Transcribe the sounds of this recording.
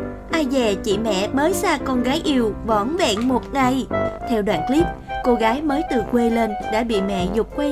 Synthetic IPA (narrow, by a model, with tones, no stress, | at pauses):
ʔaː˧jvɛ˨˩t͡ɕḭ˧˨mɛ̰˧˨məː˨˦jsaː˧kɔ˧nɣaː˨˦jʔi˧əwvɔ̰˧˩nvɛ̰˧˨nmo˨˩t̚ŋa˨˧˩jt̪ʰɛ˧wɗwa̰ː˧˨nkli˦˥p̚ko˧ɣaː˨˦jməː˨˦jt̪ɨ˨˩kwe˧le˧nɗa̰ː˧˥ɓḭ˧˨mɛ̰˧˨zʊ˨˩k͡p̚kwe˧